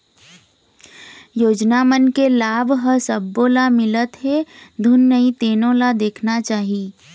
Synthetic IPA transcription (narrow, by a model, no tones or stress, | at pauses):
joːd͡ʒnamənkelaːbʱɦəsəbːõlamɪlət̪ɦed̪ʱʊnːəit̪eːnõlad̪eːkʰnat͡ʃaːɦi